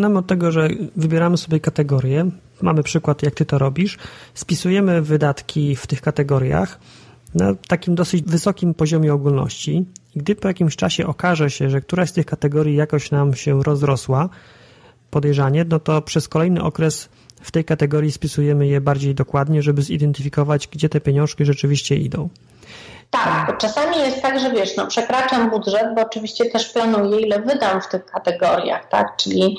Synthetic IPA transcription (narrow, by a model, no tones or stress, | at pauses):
namɘɔt̪ːɛɡɔʐɛvɘbʲjɛɾamɘsɔbʲjɛkat̪ɛɡɔɾʲjɛ | ma̰mɘpʂɘkwat̪jak̚t̪ɘt̪ɔɾɔbʲiʂspʲisujɛmɘvɘd̪at̪kʲʰift̪ɘxkat̪ɛɡɔɾja̰x | nat̪akʲimd̪ɔsɘt͡ɕvɘsɔkʲimpɔʑɔmʲjɛɔɡulnɔ̰ɕt͡ɕiiɡd̪ɘpɔjakʲimɕt͡ʂaɕɛʔɔkaʐɛɕɛʐɛk̚t̪uɾast̪ɘxkat̪ɛɡɔɾʲjijakɔɕnamɕɛɾɔzɾɔswa | pɔd̪ɛjʐaɲɛnɔt̪ɔpʂɛskɔlɛjnɘ̰ʔɔkɾɛs | ft̪ɛjkat̪ɛɡɔɾjispʲisujɛmɘjɛbaɾd͡ʑejd̪ɔkwad̪ɲɛʐɛbɘzḭd̪ɛnt̪ɘfʲikɔvad͡ʑɡd͡ʑɛt̪ɛpʲjeɲɔ̃w̃ʂkʲiʐɛt͡ʂɘvʲiɕt͡ɕɛʔḭd̪ɔ̰̃w̃ | t̪akt͡ʂasamʲijɛst̪ːaɡʐɛvʲjɛʂnɔpʂɛkɾat͡ʂambud̪ʐɛd̪̚bɔːt͡ʂɘvʲiɕt͡ɕɛt̪ɛʂplanujɛilɛvɘd̪amft̪ɘxkat̪ɛɡɔɾja̰xt̪a̰kt͡ʂɘlʲi